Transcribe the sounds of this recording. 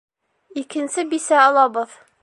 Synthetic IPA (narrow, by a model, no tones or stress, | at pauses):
ikɘ̆nsɘbisæɒlˠɑbɤð